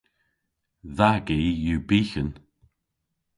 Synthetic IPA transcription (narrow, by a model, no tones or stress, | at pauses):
ðaɡijuːbiːçən